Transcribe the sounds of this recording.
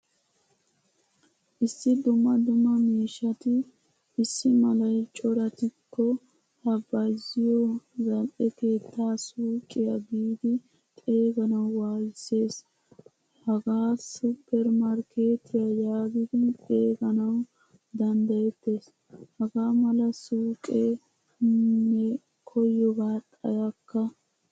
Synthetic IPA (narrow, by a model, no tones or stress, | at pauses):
ʔɪsːɪd̪ʊmːɐd̪ʊmːɐmiːʃːɐt̪ɪ | ʔːsːɪmɐlɐjt͡ʃʼɔɾɐt̪ɪkːɔ | hɐbɐjzɪjɔzɐlʔɛke̞ːt̪ʰːaːsuːkʼːɪjaɡiːd̪ɪ | t̪ʼe̞ːɡɐnɐwwaːjɪsːe̞ːs | hɐɡaːsʊpːɛɾmɐɾkʰe̞ːt̪ʰɪjajaːɡɪd̪ɪt̪ʼe̞ːɡɐnɐw | d̪ɐnd̪ɐjɛt̪ːe̞ːs | hɐɡaːmɐlɐsuːkʼe | nːɛ | kʰɔjːɔɡaːt̪ʼɐ̰jɐkːɐ